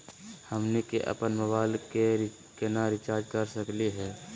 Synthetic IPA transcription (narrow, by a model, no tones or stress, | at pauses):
həmnekeʔɐ̰pənməbaːlke | kenaɾɪt͡ʃaːɾd͡ʒkəɾsəkliɦɛː